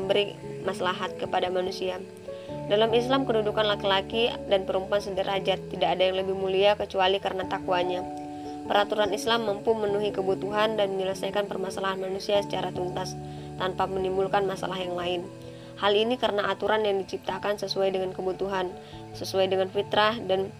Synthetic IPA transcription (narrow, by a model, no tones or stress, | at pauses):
əmbəɾimasalaɦat̪̚kəpadamanusia | dalamislamkədudukanlakilakidanpəɾumpuansədaɾad͡ʒat̪ːidaːdajaŋləbɪhmuliakət͡ʃualikəɾənat̪akuaɲa | pəɾat̪uɾanislamːəmpʊnmənuɦikəbut̪uɦandanməɲələsajkanpərmasalaɦanmanusiasə̥t͡ʃaɾat̪unt̪as | t̪anpamənimbulkanmasa̰lahjaŋlaɪn | halinikəɾənaʔat̪uɾanjaŋdit͡ʃip̚t̪akansəsuajdəŋankəbut̪uɦan | səsuajdəŋanfit̪ɾahdan